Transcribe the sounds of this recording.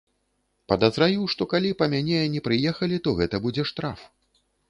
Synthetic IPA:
pɐd̪ɐzɾavʲiwʂt̪ɔkalʲipɐmʲanʲɛnʲɛpɾɨjɛxɐlʲit̪ɔɣɛt̪ɐbud͡zʲɛʂt̪ɾaf

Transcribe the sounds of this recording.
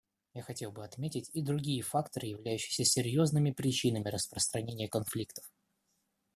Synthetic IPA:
jaxɐtʲe̞lˠbɨɐt̪mʲetʲɪtʲid̪ɾʊɡʲijəfakt̪əɾɨjɪvlʲæjʉɕːɪ̥jsʲəsʲɪɾʲjo̞znɨmʲɪpɾʲɪt͡ɕinəmʲɪɾəspɾəst̪ɾɐnʲenʲɪjəkɐnflʲikt̪ə̥f

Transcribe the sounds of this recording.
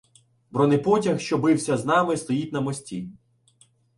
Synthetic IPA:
bɾɔnɪpɔtʲɐxʃt͡ʃɔbɪwsʲɐznɑmɪst̪ɔjitʲnɐmɔsʲtʲi

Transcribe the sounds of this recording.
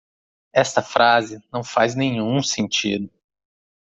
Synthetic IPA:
ɛst̪ɐfɾazɪnɐ̃w̃faznẽɲũsẽnt͡ʃid̪ʊ

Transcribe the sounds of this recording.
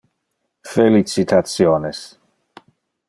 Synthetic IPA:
felit͡sit̪ʰat̪sjoːnes

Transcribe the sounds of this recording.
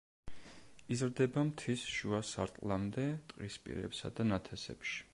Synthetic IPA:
izɾd̪ɛbamt̪ʰisʃuasaɾt̪ʼlˠamd̪ɛt̪ʼqʼispʼḭɾɛ̰psa̰d̪anat̪ʰɛsɛ̰pʃi̥

